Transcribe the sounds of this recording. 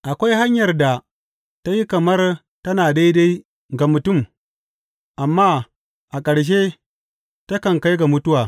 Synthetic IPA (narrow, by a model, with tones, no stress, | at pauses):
ʔa˨kʷa˦jha˦ɲjɐ˨rda˨ | ta˦ji˦kɐ˨mɐ˦r | tɐ˦naː˨da˦jda˦j | ɡa˨mʊ˨tʊ˦˨m | ʔa˨mːaː˦ | ʔa˨kʼɐ˨ɽʃ̬e˦ | ta˦kɐ˨ŋka˦jɡa˨mʊ˦tʊ˦waː˨